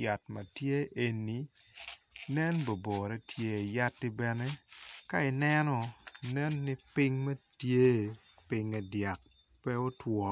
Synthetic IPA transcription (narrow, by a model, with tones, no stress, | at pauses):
ja˨tmɐ˨tje˦ʔe˨ni˨ | nɛ˦nbo˨bo˨ɾɛ˦tʰje˦˨ja˦tːɪ˦bɛ˨ne˦ka˦ɪ˨nɛ˦nɔ˨nɛ˦nːɪ˦pɪ˦ŋmɐ˦tje˦ | pɪ˦ŋɛ˨dja˨k̚ | pɛ˦o˦twɔ˨